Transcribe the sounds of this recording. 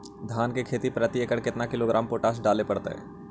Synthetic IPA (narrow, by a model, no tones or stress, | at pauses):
d̪ʱaːnkekʰeːt̪ipɾət̪jəkəɽkɪt̪nakɪloɡɾaːmpoːʈaːs̬ɖaːlepɐɽt̪ḛɦɛ̰̃ː